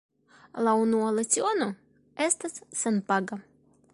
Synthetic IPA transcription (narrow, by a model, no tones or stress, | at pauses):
launualat͡sio̞no̞ | e̞st̪asːenpaɡa